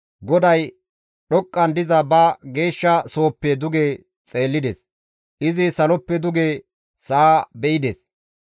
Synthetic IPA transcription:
ɡɔd̪ɐj | ɗɔkʼːɐnd̪ɪzɐbɐɡe̞ːʃːɐso̞ːpːɛd̪ʊɡeː | t͡sʼe̞ːlːɪd̪ɛs | ʔɪzɪsɐlɔpːɛd̪ʊɡeː | saːbɛɪd̪es

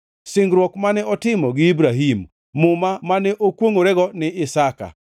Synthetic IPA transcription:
sɪŋɡɾwɔkmanɛɔtɪmɔɡɪibɾaɦimː | ʊmamanɛʔokwoŋoɾɛɡɔnɪɪsaka̰

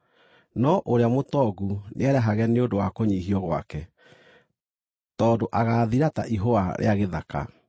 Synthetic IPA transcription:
nɔʔoɾeamotɔɡunʔeɛɾɛɦaɣɛneondowakoɲiɦiɔɣwa̰kɛ | tɔːdoʔaɣaːðiɾata̰ʔiɦoaɾʔḛaɣeðaka̰

